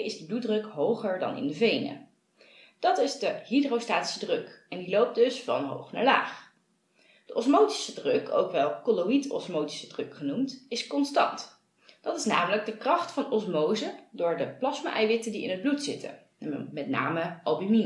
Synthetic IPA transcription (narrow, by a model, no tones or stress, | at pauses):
ɪzdəbludrɵkɦowχəɹdɑ̰nɪ̰ndəvejnə̰ | d̥ɑtɪzdəɦidrostaːti̥sədrøkɛndilowp̚dɵsfɑ̰nɦo̰wχna̰ɹla̰ːχ | d̥əʔɔsmowti̥sədrøkʰo̰wkʋɛlˠkolowitɔ̰smowti̥sədrɵkχənumtɪskɔnstɑ̰nt | d̥ɑtɪsnaːmələɡ̚dəkrɑχtfɑnɔsmowzədʊːɹdəplɑsma̰ʔɛjʋɪtəndiɪ̰nɦəd̚blutsɪtʰə̰ | mɛtna̰ːməʔɑbimi